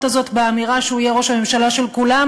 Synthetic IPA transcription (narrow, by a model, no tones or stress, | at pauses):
tazo̞t̪beamiʁaʃeujeʁo̞ʃhame̞mʃalaʃe̞lkulam